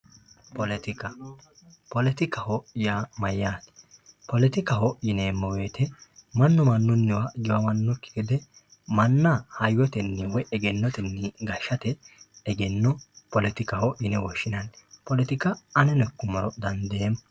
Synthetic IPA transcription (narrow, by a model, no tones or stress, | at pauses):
pɔlɛt̪ɪkɐ | pɔlɛt̪ɪkɐhɔʔɪjaːmɐjːaːt̪pɔlɛt̪ɪkɐhɔʔjɪneːmːɔweːt̪ɛmɐnːɔmɐnːʊnːɪwaɡɪwɐmɐnːɔkːɪ̥kɪd̪ɛ | mɐnːahɐjːɔt̪ɛnːɪwɛʔɛɡɛnːɔt̪ɛnːɪɡɐʃːɐt̪ɛːɡɛnːɔpɔlɛt̪ɪkɐhɔʔjɪnɛwɔʃːɪnɐnpɔlɛt̪ɪkɐːnɛnɛkːʊmɔɾɔd̪ɐnd̪em